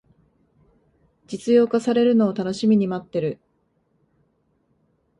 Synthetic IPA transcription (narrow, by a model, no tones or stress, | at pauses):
d͡ʑit͡sɨjo̞ːkasaɾe̞ɾɯ̟no̞ːt̪ano̞ɕimʲiɲ̟imat̪ːe̞ɾɯ̟